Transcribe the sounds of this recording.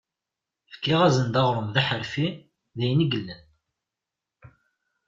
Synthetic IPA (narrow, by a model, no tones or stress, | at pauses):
fə̥kːɪʁæzənd̪ɑʁɾˤəmðæħəɾfi | ðæjniɡəlːən